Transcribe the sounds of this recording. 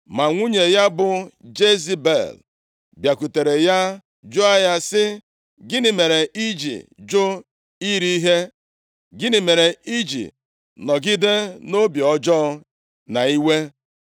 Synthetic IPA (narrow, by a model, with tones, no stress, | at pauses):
ma˨ŋʷu˦ɲe˨ja˦bʊ˨d͡ʒe˦zi˦bḛ˨l | bja˨ku˨te˨ɾe˨ja˦ | d͡ʒʊ˦a˦ja˦sɪ˦ | ɡɪ˦nɪ˨me˨ɾe˨i˦d͡ʒḭ˨d͡ʒʊ˦ | i˦ɾi˦i˦ɦe˦ | ɡɪ˦nɪ˨me˨ɾe˨i˦d͡ʒḭ˨ | nɔ˨ɡɪ˦de˦no˦bi˨ɔ˦d͡ʒɔ˦ | na˨i˦we˦